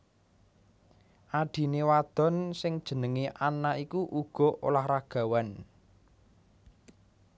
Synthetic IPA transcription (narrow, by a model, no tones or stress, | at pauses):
ʔaɖ̥i̤newad̪̥ɔ̤nsɪŋd̥ʒ̥ə̤nəŋeʔanaʔikuʔuɡ̥ɔ̤ʔo̰lahraɡ̥a̤wan